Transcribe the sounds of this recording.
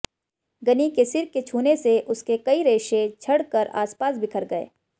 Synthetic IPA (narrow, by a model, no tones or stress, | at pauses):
ɡɐnikesɪɾkːet͡ʃʰuːneseʔʊskekɐiɾeːʃet͡ʃʰɐɽkəɾa̰ːspaːsbʱɪkʰəɾɡɐḛː